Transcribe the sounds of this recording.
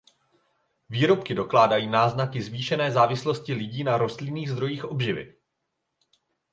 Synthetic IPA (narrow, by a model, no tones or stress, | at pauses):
viːɾo̞pkɪdo̞klaːdajiːnaːznakɪzviːʃɛnɛːzaːvɪslo̞scɪlɪɟiːnaɾo̞st̪lɪniːɣzd̪ɾo̞jiːxʔo̞bʒɪvɪ̰